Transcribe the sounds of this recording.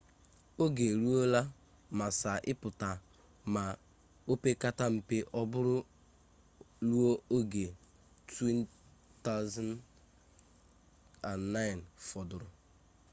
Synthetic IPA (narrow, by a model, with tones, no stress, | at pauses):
o˦ɡe˨lu˦o˦la˦ | ma˨sa˨ʔɪ˦pʊ˨ta˨ | ma˨ | o˦pe˦ka˦ta˦m̩˦pe˦ʔɔ˦bʊ˦ɾʊ˦ | lu˦o˦o˦ɡe˨ | tʰwi˦nta˦ʊza˦n | a˨nːa˦jnfɔ˨dʊ˨ɾʊ˨